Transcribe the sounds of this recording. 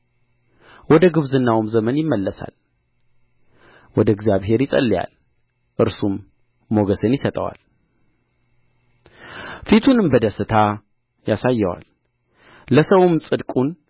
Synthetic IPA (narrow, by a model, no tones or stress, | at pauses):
wɔd̪əɡɨβzɨnːawumzəmənjɪmːəlːəsa̰l | wɔd̪əɛɡzijaβɦe̞ɾjɪsʼə̰lːija̰l | ʔɨɾsumː | o̞ɡəsɨnjɪsət̪ʼə̰wa̰l | fit̪ʰunɨmbəd̪əsɨt̪ʰa | jasajːɛwa̰lː | əsəwɨmsʼɨd̪kʼun